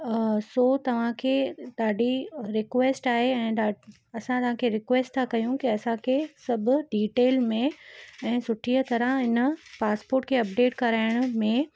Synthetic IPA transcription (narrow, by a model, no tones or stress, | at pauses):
soːt̪ɐʋ̤ãkʰeːɗ̪aːɖʱiɾɪkʋeːsʈaːɦeɛ̃ːaː | ɐsãt̪ɐʋ̤ãkʰeɾɪkʋeːsʈt̪ʰakɐjũkiɐsãkʰesɐbʱʊ̆ɖiːʈeːlmẽɛ̃ːsʊʈʰiət̪ɐɾəɪnəpaːspoːɾʈkʰeɐp̚ɖeːʈkɐɾaːɪɽ̃ʊmẽ